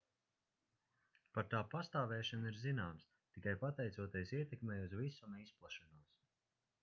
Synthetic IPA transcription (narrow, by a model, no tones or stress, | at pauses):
paɾt̪aːpast̪aːvɛːʃaniɾzinaːms | t̪ikajpat̪ɛjt̪suɔt̪ʲeɛsiɛt̪ɛkmɛːjuzvisunɛisplˠaʃanuɔs